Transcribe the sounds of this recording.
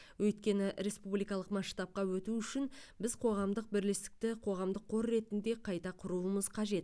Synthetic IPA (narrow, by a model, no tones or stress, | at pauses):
wʔɵjt̪kʲe̞nɪɾe̞spublijkɑlˠəqmɑʃt̪ɑp̚qɑwɵt̪uʏʃɪnbɪzqʰo̞ʁɑmd̪əq̚bɪɾlest̪ɪ̥k̚t̪ɪqʰo̞ʁɑmd̪əqʰːo̞ɾːe̞t̪ɪnd̪e̞qʰɑjt̪ɑqʰʊɾuəməzqʰɑʒe̞t̪